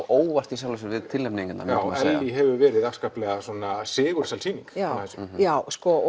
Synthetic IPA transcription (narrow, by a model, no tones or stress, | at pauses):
oːwvar̥t̪isjawlɛsʏvɪðt̪ʰɪlɛmpniŋcʏna̰aɛlːiɦɛvʏvɛːɾɪðakskaːplɛɣasɔnasɪːɣʏɾ̥salsiːniŋkawθɛsʏmjaːwskɔ